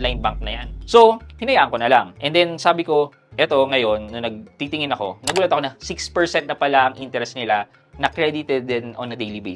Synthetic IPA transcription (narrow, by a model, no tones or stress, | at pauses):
lajnbaŋk̚nɐjanso̞hɪnɐjaːʔɐŋko̞nɐlaŋʔɛnd̪ɛnsaːbɪko̞ | ʔɛt̪o̞ŋɐjo̞nːonɐɡ̚t̪iːt̪ɪŋɪnɐko̞nɐɡuːlɐt̪ɐkonɐsikspɛɹsɛnt̪̚nɐpɐlaʔɐŋʔint̪ɛɾɛs̚nɪla | nɐkɾɛd̪ɪt̪ɛd̪ɛnonɐd̪ejlibe